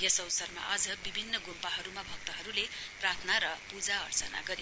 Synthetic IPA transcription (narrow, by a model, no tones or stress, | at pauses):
jesʌwsʌrma̰ʔad͡zʌbibʱinːʌɡompaɦʌɾumabʱʌk̚t̪ʌɦʌɾuleprart̪ʰnaɾʌpud͡zaʌrt͡sʌna̰ɡʌɾi